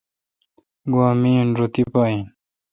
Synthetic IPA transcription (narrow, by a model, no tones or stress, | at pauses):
ɡwaːmiːnɾot̪ipaːĩn